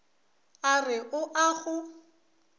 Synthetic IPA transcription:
arɪʔʊʔaɣʊ

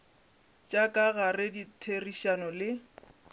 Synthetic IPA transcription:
t͡ʃʼakʼaɣarɪditʰeriʃanɔlɪ

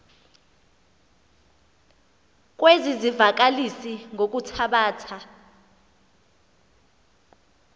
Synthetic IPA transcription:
k̬ʼwezizivak̬ʼalisiŋok̬ʼutʰaɓaːtʰa

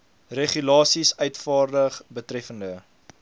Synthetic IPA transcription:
reχylɑːsisœɥtfɑːrdəχbətrɛfəndə

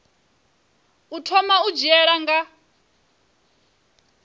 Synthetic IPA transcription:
utʰɔmaud͡ʒiɛɺaŋɡa

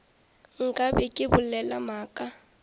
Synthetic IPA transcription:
ŋ̩kʼabɛkʼɪbʊlɛlamaːkʼa

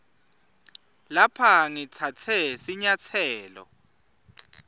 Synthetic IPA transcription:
lapʰaŋit͡sʰat͡sʰɛsiɲat͡sʰɛːlɔ̰

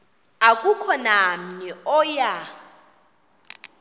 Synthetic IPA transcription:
akʼukʰɔnam̩ɲɛɔja

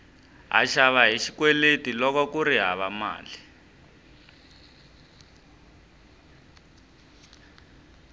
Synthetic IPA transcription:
ɦa̰ʃaβaɦiʃikwɛletilɔkɔkuɾiɦa̰βama̰ːli

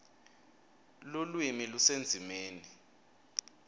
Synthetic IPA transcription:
lulwimilusend͡zʱimeːni

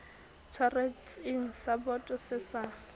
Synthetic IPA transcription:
t͡sʰɔret͡sʼɪŋ̩sabɔtʼɔsɪsa

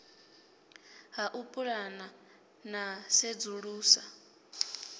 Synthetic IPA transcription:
ɦaʔupʼuɺana | nased͡zuɺuːsa

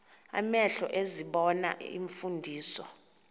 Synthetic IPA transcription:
a̰mɛɬɔ̰ʔeziɓɔna̰ḭɱfundʱiːsɔ

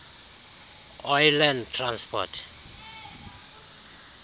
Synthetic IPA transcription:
ɔjlandtʰranspʰɔ̰tʰ

